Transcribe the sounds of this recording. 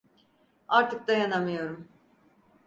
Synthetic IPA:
aɾt̪ʰɯk̚d̪ajanamɯjo̞ɾum

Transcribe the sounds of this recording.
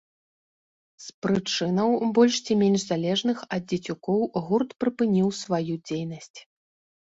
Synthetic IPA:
spɾɨt͡ʂɨnɐwbɔlʲʂt͡sʲimʲenʲʐzalʲɛʐnɨxɐd̪̚d͡zʲɐt͡sʲukɔwɣurt̪pɾɨpɨnʲiwsvajud͡zʲejnɐsʲt͡sʲ

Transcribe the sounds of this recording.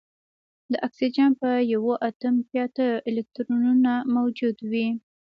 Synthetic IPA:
d̪əʔaksid͡ʒɑnpəjawoʔat̪əmpjɑt̪əelɪk̚t̪ɾununamawd͡ʒud̪wi

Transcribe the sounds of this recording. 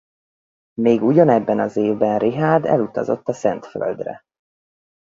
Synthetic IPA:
meːɡuɟɒnɛbːɛnɒzeːvbɛnriɦaːd̪ɛ̰lut̪ɒzo̞̰t̪ːɒsɛ̰nt̪fø̰ld̪rɛ̰

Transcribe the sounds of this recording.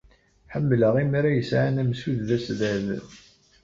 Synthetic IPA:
ħəmːləʁimɾæjəsʕanæmsuððæsðæð

